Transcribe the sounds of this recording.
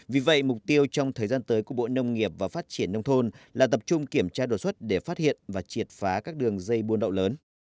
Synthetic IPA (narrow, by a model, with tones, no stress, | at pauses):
vi˨˩və̰˧˨jmʊ˨˩k͡p̚t̪i˧əwt͡ɕɔ˧wŋ͡mt̪ʰəː˨˩jzaː˧nt̪əː˨˦jku˧˩əɓo̰˧˨nə˧wŋ͡mŋi˨˩əp̚vaː˨˩faː˦˥t̚t͡ɕi˧˩ənːə˧wŋ͡mt̪ʰo˧nlaː˨˩t̪ə˨˩p̚t͡ɕʊ˧ŋ͡mki˧˩əmt͡ɕaː˧ɗo˨˩t̚swə˦˥t̚ɗe˧˩faː˦˥t̚hḭ˧˨ənvaː˨˩t͡ɕi˨˩ət̚faː˨˦kaː˦˥k̚ɗɨ˨˩əŋzə˧jɓu˧ənɗə̰˧˨wləː˨˦n